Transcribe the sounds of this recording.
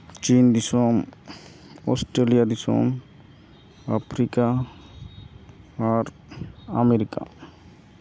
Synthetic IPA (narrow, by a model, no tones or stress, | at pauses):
t͡ʃind̪isɔm | ɔsʈɾelijad̪isɔ̰m | apʰɾika | ɾ | ameɾika̰